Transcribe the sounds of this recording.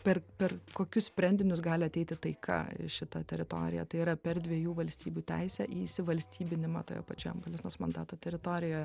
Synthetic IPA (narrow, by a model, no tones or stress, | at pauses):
pʲɛrpʲɛrkoːkʲʊssʲpʲɾʲɛnʲd̪ʲɪnʲʊsɡɑːlʲɪɐt̪ʲɛɪt̪ʲɪt̪ɐɪkʰɐ̰ʃʲɪt̪ɐt̪ʲɛɾʲɪt̪o̰ːɾʲɪ̰jɛ̰t̪ɐɪiːɾɐpʲɛrd̪ʲʋʲiɛjuːʋɐlʲsʲt̪ʲiːbʲuːt̪ʲæɪsʲɛʔisʲɪʋɐlʲsʲt̪ʲiːbʲɪnʲɪmɑ̰t̪o̰ːjo̰ːpɐt͡ʃʲoːjombɐlʲɪsnoːsmɐnd̪ɑ̰ːt̪oːt̪ʲɛɾʲɪt̪oːɾʲɪjoːjɛ